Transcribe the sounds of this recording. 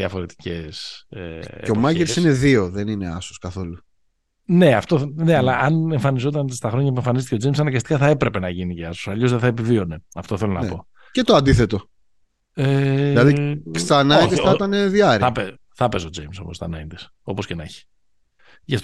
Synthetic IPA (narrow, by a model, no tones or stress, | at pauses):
iɐfo̞ɾe̞t̪i̥ceseeomɐʝeɾsine̞ðio̞ðenine̞ɐsoskɐθo̞lu | ne̞ɐft̪oneɐlɐʔɐneɱfɐnizo̞t̪̬ɐnst̪ɐxɾo̞ɲɐpueɱfɐnis̬t̪ice̞d͡zejmsɐnɐɡɐst̪i̥kɐθɐe̞pɾe̞pe̞nɐʝiniceɐsosɐʎo̞zðeθɐe̞pivio̞ne̞ɐft̪o̞θelo̞nɐpo̞ | cet̪oɐnd̪iθe̞t̪o̞ | elɐðiksɐnɐĩt̪iɐt̪ɐneðjɐɾiɐpe | θɐpe̞so̞d͡zejmso̞̰most̪ɐ̰nɐind̪is | o̞po̞scenɐçi̥ | ʝɐft̪